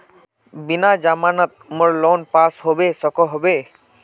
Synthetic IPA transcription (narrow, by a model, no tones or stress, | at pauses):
binad͡ʒamanɔt̪̚moɹlonpashobesɔkɔɦobe